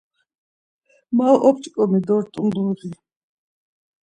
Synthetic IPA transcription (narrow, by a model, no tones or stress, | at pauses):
mawʔɔpt͡ʃʼkʼɔmid̪ɔɾt̪ʼund̪ɔʁi